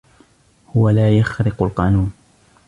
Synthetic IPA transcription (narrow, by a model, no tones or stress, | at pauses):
hʊwalaːjaxɾɪqʊlqɑːnuːn